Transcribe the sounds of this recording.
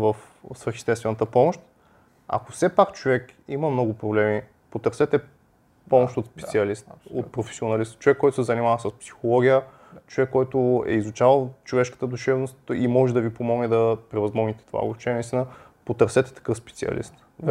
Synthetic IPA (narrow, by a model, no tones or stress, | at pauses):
vəf | svəɾxist̪ɛt̪st̪vɛnət̪əpɔmʊʃt̪ | a̰kofsɛpakt͡ʃovɛkiməmnɔɡʊpɾoblɛmi | pot̪əɾsɛt̪ɛ | pɔmʊʃt̪ot̪spɛsiɐlist̪o̰t̪pɾofɛ̥sionɐlist̪t͡ʃovɛkːɔjt̪ʊsɛzɐnimavəsəspsi̥xolˠɔɡʲijə | t͡ʃovɛkːɔjt̪ʊɛ̰izut͡ʃavəlˠt͡ʃovɛʃkə̥t̪əd̪uʃɛvnʊst̪imɔʒɛd̪ɐvipomɔɡnɛd̪ɐpɾɛvɐzmɔɡnit̪ɛ̥t̪ova̰ɡɾut͡ʃɛnɐist̪inə | pot̪əɾsɛt̪ɛ̥t̪ɐ̥kɤfspɛ̥t̪siɐ̰lḭst̪